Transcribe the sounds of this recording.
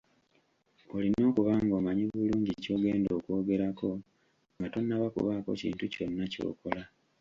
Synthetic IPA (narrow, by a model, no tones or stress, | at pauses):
o̞lino̞ːkuβaːŋɡoːmaɲiβuluːɲɟico̞ːɡe̞ːndo̞ːkwo̞ːɡe̞ɾako̞ | ŋɡato̞nːaβakṵβako̞̰cḭːntuconːaco̞̰ːko̞la